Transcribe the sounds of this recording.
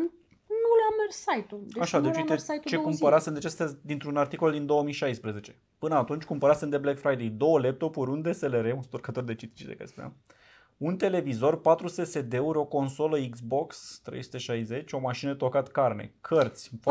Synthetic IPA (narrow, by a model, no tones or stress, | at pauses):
nulammerːajt̪ulaʃad̪et͡ʃiiejt̪t͡ʃe̞kumpəɾasend̪et͡ʃest̪ad̪int̪ɾunart̪iko̞ld̪ind̪o̞wəmijʃajspɾəze̞t͡ʃe̞̥ | pɨnəat̪unt͡ʃʲkumpəɾasend̪eblekfɾajd̪e̞jd̪o̞wəlep̚t̪o̞puɾʲund̪ese̞leɾe̞unst̪orkət̪o̞rd̪e̞t͡ʃit̪i̥t͡ʃd̪ekə̰st̪a̰ | unt̪e̞le̞vizo̞rpat̪ɾuse̞se̞d̪eeuɾo̞ko̞nso̞ləiɡzbo̞kst̪ɾḛjsu̥t̪e̞ʃajze̞t͡ʃʲo̞maʃinət̪o̞kat̪karnḛkʰərt̪sʲ